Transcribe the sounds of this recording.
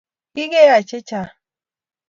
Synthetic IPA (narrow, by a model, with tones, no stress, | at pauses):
ɡɪ˦ɡe˦ja˨t͡ʃɪ˦t͡ʃa˨